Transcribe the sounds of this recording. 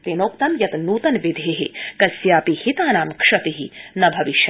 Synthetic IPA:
t̪enoːk̚t̪ɐmjɐt̪nuːt̪ɐnʋid̪ʱeːɦḭkɐsjaːpihit̪aːnaːmkʂɐt̪iɦinɐbʱɐʋiʃ

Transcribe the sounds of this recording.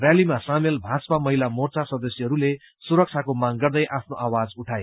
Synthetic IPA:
rjalimasamelbʱaspamʌɦilamort͡sasʌd̪ʌsjʌɦʌɾule | suɾʌk̚t͡sʰakomaŋɡʌrd̪ʌjʔapʰnoʔawad͡zuʈʰae

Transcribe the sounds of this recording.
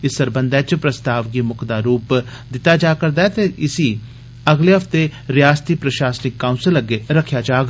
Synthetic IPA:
ɪsːəɾbənd̪ɛːt͡ʃpɾəst̪aːʋɡiːmʊkʰd̪aːɾuːp | d̪ɪt̪ːaːd͡ʒaːkəɾd̪aːɛt̪eʔɪsiː | əɡleːɦəfʰt̪eɾɪjaːst̪iːpɾəʃaːsnɪkːaːʊ̃nsələɡeɾəkʰːjaːd͡ʒaːɡ

